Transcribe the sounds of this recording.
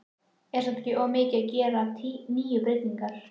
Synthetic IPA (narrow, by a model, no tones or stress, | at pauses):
ɛɾsat̪cːɪʔɔɣmɪːcɪacɛːɾat̪ʰiniːjʏpɾɪt̪niŋkaɾ̥